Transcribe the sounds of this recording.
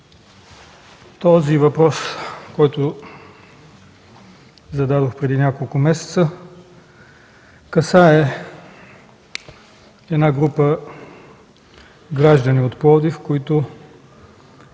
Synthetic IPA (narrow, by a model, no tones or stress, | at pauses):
t̪ɔzivɐpɾɔskɔjt̪ʊ | zɐd̪ad̪oxpɾɛd̪inʲakolˠkʊmɛsɛ̥t̪sə | kɐsaɛ | ɛd̪naɡɾupə | ɡɾaʒd̪əniot̪plˠɔd̪ifkoit̪ʊ